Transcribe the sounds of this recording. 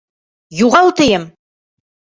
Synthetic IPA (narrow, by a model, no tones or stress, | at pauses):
juʁɑlˠt̪ɘ̆jɘm